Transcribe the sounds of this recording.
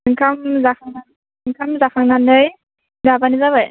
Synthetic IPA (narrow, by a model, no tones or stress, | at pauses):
ŋkʰamzakʰaŋa | ŋkʰamzakʰaŋɡandɯj | zabanizabaj